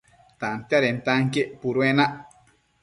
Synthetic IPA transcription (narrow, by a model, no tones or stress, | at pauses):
t̪ant̪jaɾent̪aŋkeʔpuɾwenaʔ